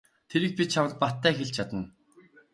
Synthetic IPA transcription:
t̪ʰeɾɘ̆k̚pʲit͡ɕʰamə̆ɮt̪̚pat̪ːæːxeɮt͡ɕʰat̪ə̆n

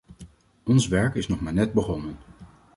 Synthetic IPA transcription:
ɔnsʋɛɹkɪsnɔχmaːɹnɛd̚bəχɔnən

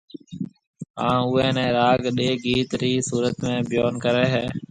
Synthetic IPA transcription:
ɦãːʊːɛ̃ːnɛ̃ːɾaːɡɗeːɡiːt̪ɾiːsuːɾət̪mẽːbɪjoːnkəɾeːɦeː

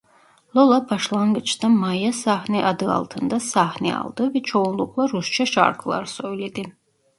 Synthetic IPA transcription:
lˠolˠapʰaʃlˠaŋɡɨt͡ʃʰt̪amajasahniʔad̪ɯɑ̰lˠt̪ʰɨnd̪asahnḭɑ̰lˠd̪ɨvɛt͡ʃʰounlˠukʼlˠaɾust͡ʃʰaʃa̰ɾkʰlˠa̰ɾsojlid̪i

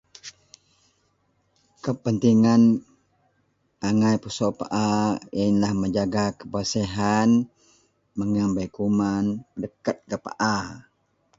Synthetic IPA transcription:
kəpənt̪iŋan | ʔaŋajpusɔʔpa̰ʔaanlahməɲd͡ʒaɡakə̥bəseɦan | məŋambajkumanədəkat̪̚kəpa̰ʔa

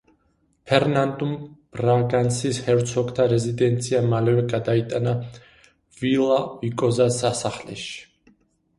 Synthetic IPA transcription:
pʰɛɾnand̪umb̥ɾaɡansishɛɾt̪sʰɔɡt̪ʰaɾɛzid̪ɛnt̪sʰiamalɛvɛɡad̪ait̪ʼana | vilˠavikʼɔzasasaχlɛ̰ʃi̥

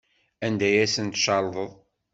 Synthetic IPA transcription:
ænd̪æjæsənt̪ʃɑlˤðˤəðˤ

